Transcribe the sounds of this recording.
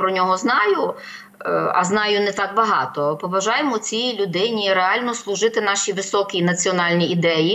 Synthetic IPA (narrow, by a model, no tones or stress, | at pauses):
pɾɔnʲɔɦɔznɑjʊ | ɐ̰znɑjʊnɛt̪ɑkbɐɦɑt̪ɔpɔʋɐʒɑjemɔt͡sʲijilʲʊd̪ɪnʲiɾeɑlʲnɔslˠʊʒɪt̪ɪnɑʃʲiʋɪsɔkʲinɐt͡sʲiɔnɑlʲnʲiːd̪ɛji